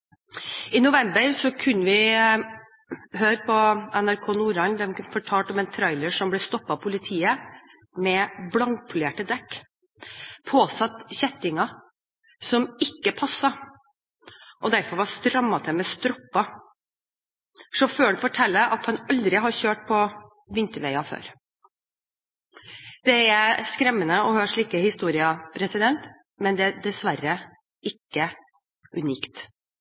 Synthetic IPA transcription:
ɪnʊʋɛmbəɾsɔkʰʉnːəʋɪ | ɦøːɾpʰɔɛnæɾkʰoːnuːɾɑnd̪ɛmfɔʈʰɑːlt̪ɔmɛnt̪ʰɾɑɪləʂɔmblɛst̪ɔpːɑpʰʊlɪt̪ʰiːə | mɛblɑŋ̚pʰʉleːʈəd̪ɛkː | pʰoːsɑt̪çɛt̪ːɪŋɑ | sɔmɪkːəpʰɑsːɑ | ʔɔd̪æɾfɔɾʋɑst̪ɾɑmːɑt̪ʰɛmɛst̪ɾɔpːɑ | sɔføːɖʉfɔʈʰɛlːəʔɑt̪hɑnɑld̪ɾɪɦɑɾɕøːʈ̚pʰɔ | ʋɪnt̪əɾʋæɪɑfø̰ːɾ | d̪ɛæskɾɛmːənəɔhøːʂɭiːkəhɪst̪uːɾɪɑpʰɾɛsɪd̪ɛnt̪ | mɛnd̪ɛd̪ɛsʋæɾə | ɪkːə | ʉniːkt̪

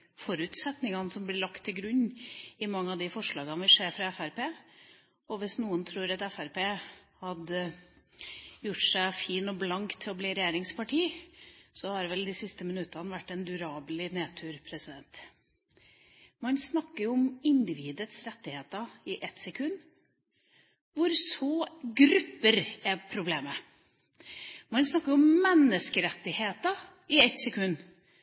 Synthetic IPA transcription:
fɔɾʉːt̪sɛt̪nɪŋɑnəsɔmblɪɭɑkt̪ʰːɪlɡɾʉɲːɪmɑŋːəɑd̪ɪfɔʂɭɑːɡɑnʋɪʂeːɾfɾɑɛfæɾpeː | ɔʋɪsnuːənt̪ʰɾuːɾɑt̪ɛfæɾpeːhɑd̪ | jʊʈːʂæɪfiːnɔblɑŋkt̪ʰːɪɔbliːɾɛjeːɾɪŋspɑʈʰiːsɔhɑɾʋɛld̪ɪsɪst̪əmɪnʉt̪ːɑnəʋæʈːɛnd̪ʉɾɑːblɪneːt̪ʰʉːɾpʰɾɛsɪd̪ɛnt̪ | mɑnsnɑkːəɾjʊʊmɪnd̪ɪʋiːd̪ət̪sɾɛt̪ːɪheːt̪əɪʔɛt̪sɛkʰʉnː | ʋʊɾsɔːɡɾʉpːəɾɛpʰɾʊbleːmə | mɑnsnɑkːəɾjʊʊmːɛnːəskəɾɛt̪ːɪheːt̪ə | ɪɛt̪sɛkʰʉnː

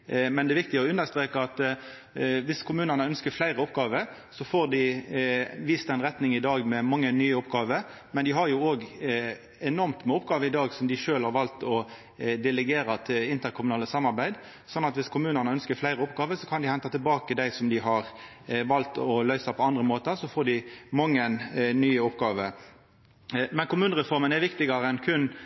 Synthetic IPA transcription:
mɛnd̪ɛːʋɪk̚t̪ɪɡəɔʉnːəɾst̪ɾeːkəɑt̪ | ʋɪskʰʊmʉːnənəœnskəɾflæɪɾəɔpɡɑːʋəɾ | sɔfoɾd̪ɪ | ʋiːst̪ɛnʁɛt̪nɪŋɪd̪ɑːɡmɛmɑŋːənyːəʊpɡɑːʋəɾ | mɛnd̪ɪɦɑɾjʊoːɡ | ɛnɔɾmt̪mʊpɡɑːʋəɪd̪ɑːɡsɔmd̪ɪʃøːlhɑɾʋɑlt̪ɔ | d̪ɛlɛɡeːɾɑt̪ʰɪlɪnt̪əɾkʰʊmʉnɑːləsɑmːɑɾbæɪd̪ | sɔnːɑt̪ʋɪskʰʊmʉːnənəœnskəɾflæɪɾəʊpɡɑːʋəsɔkʰɑnd̪ɪhɛnt̪ɑt̪ɪlbɑːkəd̪æɪsɔmd̪ɪɦɑɾ | ʋɑlt̪ɔlœʏsɑpʰɔɑnd̪ɾəmoːt̪əɾsɔfoːɖɪmɑŋːənnyːəʊpɡɑːʋə | mɛnkʊmʉːnʁɛfɔɾmənɛɾʋɪkt̪ɪɡɑɾəɛnkʰʉnː

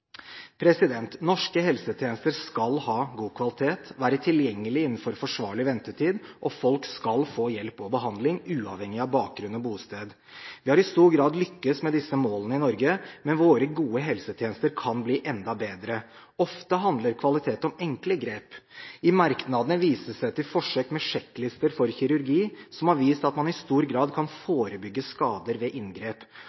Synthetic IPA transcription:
pʰɾɛsɪd̪ɛnt̪nɔʂkəɦɛlsət̪ʰjeːnəst̪əɾskɑlhɑːɡuːkʰʋɑlɪt̪ʰeːt̪ʋæːɾət̪ʰɪljɛŋːəlɪɪnːn̩fɔɾfɔʂʋɑːɭɪʋɛnt̪əʈʰiːd̪ʔɔfɔlkskɑlfoːjɛlpɔbəɦɑnd̪lɪŋʉːɑʋhɛŋːɪɑʋbɑːk̚ɡɾʉnɔbuːst̪eːd̪ | ʋɪhɑɾɪst̪uːɾɡɾɑːd̪lʏkːəsmɛd̪ɪsəmoːlənəɪnɔɾɡəmɛnʋoːɾəɡuːəɦɛlsət̪ʰjeːnəst̪əɾkʰɑnbliːʔɛnd̪ɑbeːd̪ɾə | ɔft̪əɦɑnd̪ləɾkʰʋɑlɪt̪ʰeːt̪ɔmɛŋkləɡɾeːpɪmɑɾknɑd̪ənəʋiːsəsæɪt̪ɪlfɔʂøːkmɛʂɛkːlɪst̪əɾfɔɾçɪɾʉɾɡiːsɔmhɑɾʋiːst̪ɑt̪mɑnɪst̪uːɾɡɾɑːd̪kʰɑnfoːɾəbʏɡːəskɑːd̪əɾʋɛʔɪnɡɾeːp

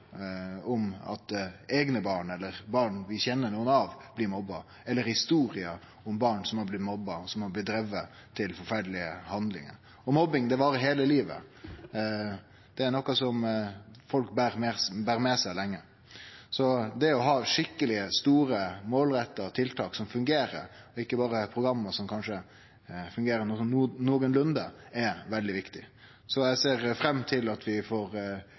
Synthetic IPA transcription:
ɔmɑ̰t̪eːɡnəbɑːɳɛlːəɾbɑːɳʋɪçɛnːənuːənɑʋb̥lɪɾmɔbːɑ | ɛlːəɾhɪst̪uːɾɪə | ʊmbɑːɳsɔmhɑblɪt̪mɔbːɑɔsɔmhɑblɪt̪̚d̪ɾɛʋːə | t̪ʰɪlfɔɾfæɖəlɪə̰hɑnd̪lɪ̰ŋə̰ɾ | ɔmɔbɪŋd̪ɛʋɑːɾəɦeːləliːʋə̰ | d̪̥ɛæɾnɔkːɑsɔmfɔlk̚bæːɾmɛbæːɾmɛsæɪlɛŋːə | sɔd̪ɛæɔɦɑːʂɪkːəlɪst̪uːɾəmoːlɾɛt̪ːət̪ʰɪlt̪ʰɑːksɔmfʉŋɡeːɾə̰ɾɔɪkːəbɑːɾəpʰɾʊɡɾɑmːəsɔmkʰɑnʂə | fʉŋɡeːɾənɔsnoːɡənlʉnd̪əɛʋɛld̪ɪʋɪkt̪ɪ | sɔjæɪseːɾfɾɛmːt̪ʰɪlɑt̪ʰʋɪfɔɾ

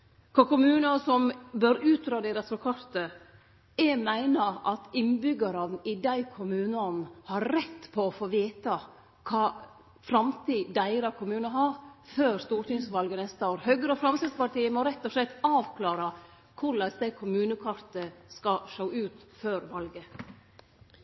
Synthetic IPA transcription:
kʰɔkʊmʉːnɑsɔmbœɾʉːt̪̚ɾɑːd̪eɾɑsɔːkʰɑɾt̪ə | ɛmæɪnəɾʔɑt̪ɪnbʏɡəɾɑnn̩ɪd̪æɪkʰʊmʉːnəɔnn̩hɑɾɾɛt̪ːpʰɔɔfoːʋiːt̪ɑ | kʰɑː | fɾɑmt̪ʰiːd̪æɪɾɑkʰʊmʉːnəɦɑɾføːɾst̪uːʈɪŋsʋɑlɡənɛst̪əoːɾhœɡɾəɔfɾɑmsɪd̪spɑʈiːəmɔɾɛt̪ːɔʂlɛt̪ːɑːʋkʰlɑːɾɑ | kʰʊɭɛsd̪æɪkʰʊmʉːnəkʰɑɾt̪əskɑʂoʊʉːt̪føːɾʋɑlɡə

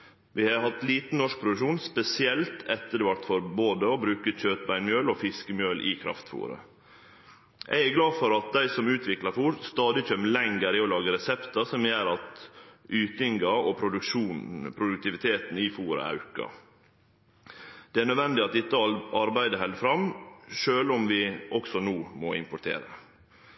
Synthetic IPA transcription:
ʋɪhɑhɑt̪liːt̪n̩nɔʂk̚pʰɾʊd̪ʉʂuːnspɛsɪɛlt̪ʰɛt̪ːəɖ̪ɛʋɑʈ̪fɔɾboːd̪əobɾʉːkəc͡çøːt̪bæɪnmjøːlofɪskəmjøːlʔɪkʰɾɑ̰ft̪fṵːɾə̰ | jʔæ̰ɪæɡlɑːfɔɾɑt̪̚d̪æɪsɔmʉːt̪ʰʋɪklɑɾfuːɾst̪ɑːd̪ɪc͡çœmlɛŋɡəɾɪolɑːɡəɾɛsɛpt̪ɑsɔmjæːɾɑt̪ʔyːt̪ɪŋɡɑɔpʰɾʊd̪ʉkʃuːnpʰɾʊd̪ʉk̚t̪ɪʋɪt̪ʰeːt̪n̩ɪfuːɾə̰ɑ̰ʉkɑ̰ | d̪̥ɛæɳœd̪ʋɛnd̪ɪɑt̪ɪt̪ːəɑɾbæɪd̪əɦɛlfɾɑmʃøːlɔmʋɪʔɔksɔnuːmɔɪ̰mpʊʈʰḛːɾə̰

